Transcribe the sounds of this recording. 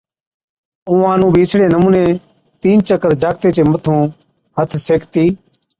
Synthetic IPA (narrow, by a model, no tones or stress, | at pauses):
ũːãːnũːbʱiːɪsɽeːnəmũːnẽː | t̪iːnt͡ʃəkəɾd͡ʒaːkt̪eːt͡ʃeːmət̪ʰũː | hət̪ʰseːkʰt̪iː